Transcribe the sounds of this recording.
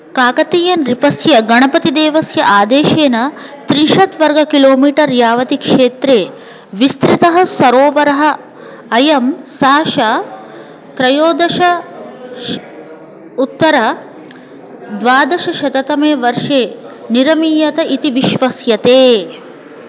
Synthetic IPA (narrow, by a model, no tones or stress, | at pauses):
kaːkɐt̪iːjɐnɾipɐsjɐɡɐɳɐpɐt̪id̪eːʋɐsjɐʔaːd̪eːʃeːnɐt̪ɾinʃɐt̪ʋɐɾɡɐkiloːmiːʈɐɾjaːʋɐt̪ikʂeːt̪ɾeː | ʋist̪ɾit̪ɐɦɐ̆sɐɾoːʋɐɾɐɦɐ̆ː | jɐmsaːʃɐ | t̪ɾɐjoːd̪ɐʃɐ | ut̪ːɐɾɐ | d̪ʋaːd̪ɐʃɐʃɐt̪ɐt̪ɐmeːʋɐɾʂeː | niɾɐmiːjɐt̪ɐit̪iʋiʃʋɐsjɐt̪eː